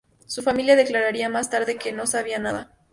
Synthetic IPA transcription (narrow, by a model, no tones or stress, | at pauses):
sufamiljaðe̞klaɾaɾiamast̪aɾðe̞ke̞no̞saβ̞ianaða